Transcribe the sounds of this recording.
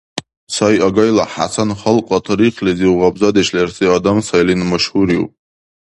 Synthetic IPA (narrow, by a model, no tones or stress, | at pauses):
sajaɡajlaħa̰sʰanχəlqʷʼatʰriqʰliziwʁabzad̪eʃlersiadamsajlinmaʃhuɾiw̰pʼ